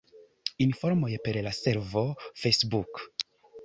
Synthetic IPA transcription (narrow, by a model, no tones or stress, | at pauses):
infoɾmojepeɾlase̞ɾvo̞fesbuk